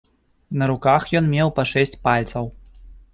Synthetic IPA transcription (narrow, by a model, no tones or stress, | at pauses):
nɐɾukaxjɔnmʲɛwpɐʂɛsʲt͡sʲpalʲt̪sɐw